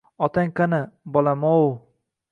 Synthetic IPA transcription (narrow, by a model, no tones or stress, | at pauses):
ɒt̪aŋkanɪbɒlamow